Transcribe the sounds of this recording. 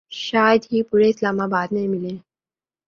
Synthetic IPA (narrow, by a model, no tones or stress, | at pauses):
ʃaːjəd̪ɦiːpuɾeɪslaːmabaːd̪nemɪlẽ